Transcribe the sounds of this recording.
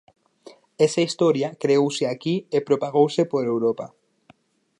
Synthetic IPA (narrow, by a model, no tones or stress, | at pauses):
esaist̪oɾjakɾeowseakiepɾopaɣ̞owsepoɾewɾopa